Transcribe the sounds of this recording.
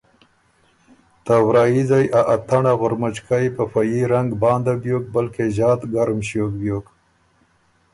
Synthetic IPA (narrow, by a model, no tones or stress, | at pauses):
t̪awɾɑːjizajʔaʔat̪aɳaɣʊɾmat͡ʃkajpəfajiɾaŋɡbɑːnd̪abjoːk̚bəlkezɑːt̪ɡaɾmɕok̚bjoːk